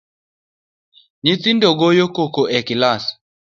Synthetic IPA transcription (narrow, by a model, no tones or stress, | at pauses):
ɲit̪indɔɡojokokoʔɛkilas